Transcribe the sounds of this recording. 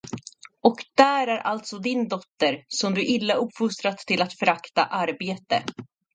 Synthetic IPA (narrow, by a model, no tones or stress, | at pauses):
ɔkd̪̥æːɾæɾʔa̰lt̪sɔd̪ɪnd̪ɔt̪ːəɾsɔmd̪ɵʔɪlːaɵpːfʊst̪ɾat̪ʰːɪlat̪fœɾakt̪a̰ʔaɾbeːt̪ə̰